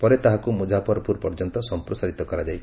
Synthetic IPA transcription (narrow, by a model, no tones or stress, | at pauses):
pɔɾet̪aɦakumud͡ʒapɔɾɔpuɾpɔɾd͡ʒɔnt̪ɔsɔmpɾɔsaɾit̪ɔkɔɾad͡ʒajʰ